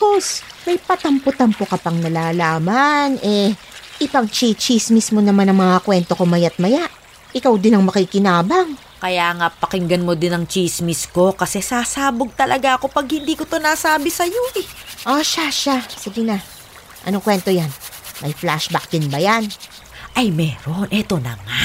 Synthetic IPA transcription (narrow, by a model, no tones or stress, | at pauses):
posmɐjpɐt̪ɐmpʊt̪ampokɐpɐŋnɐlaːlaːmanʔɛ | ʔɪpɐŋt͡ʃit͡ʃismismonɐmanɐŋmɐŋakwɛnt̪o̞komɐjat̪̚mɐjaʔ | ʔɪkawd̪ɪnɐŋmɐkikɪnaːbɐŋ | kɐjaːŋapɐkɪŋɡɐnmo̞d̪ɪnɐŋt͡ʃismɪsko̞kɐsɛsaːsaːboɡ̚t̪ɐlʔɐɡaʔɐko̞pɐɡ̚hɪnd̪iːkot̪o̞naːsaːbɪsɐjoʔɛʔoʃaʃasiɡɪna | ʔɐ̰noŋkwɛnt̪o̞janmɐjflaʃbak̚d̪ɪnbɐjan | ʔɐjmɛːɾo̞nʔɛt̪o̞nɐ̰ŋa